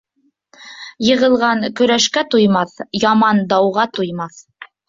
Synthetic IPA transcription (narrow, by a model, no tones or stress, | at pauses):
jɤ̆ʁɤ̆lˠʁɑŋkɵ̆ɾæʃkæt̪ujmɑθjɑmɑnd̪ɑwʁɑt̪ujmɑθ